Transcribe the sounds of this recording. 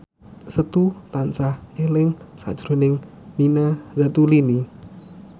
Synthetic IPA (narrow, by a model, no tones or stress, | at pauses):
sət̪ut̪ant͡ʃahelɪŋsa̰d̥ʒ̥ɾo̤nɪŋ | ninazat̪ulini